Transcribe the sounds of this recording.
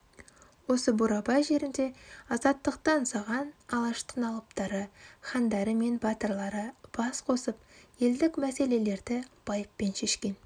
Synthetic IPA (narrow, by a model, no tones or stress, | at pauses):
wo̞səbuɾɑbɑjʒe̞ɾɪnd̪e̞ɑzɑt̪ːəq̚t̪ɑnsɑʁɑnɑlˠɑʃt̪ʰənɑlˠəp̚t̪ɑɾəχɑnd̪ɑɾəme̞nbɑt̪əɾlˠɑɾəb̥ɑsqʰo̞səpje̞ld̪ɪkmæse̞le̞le̞ɾd̪ɪb̥ɑjəpːe̞nʃe̞ʃkʲe̞n